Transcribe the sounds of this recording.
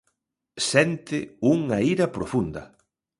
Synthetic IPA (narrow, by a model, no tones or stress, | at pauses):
sɛnt̪ɪuŋɐiɾɐpɾofund̪ɐ̰